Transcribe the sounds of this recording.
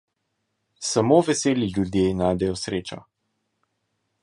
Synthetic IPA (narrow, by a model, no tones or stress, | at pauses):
samoːvɛseːlilʲjud̪jenajd̪ɛjɔsɾeːt͡ʃa̰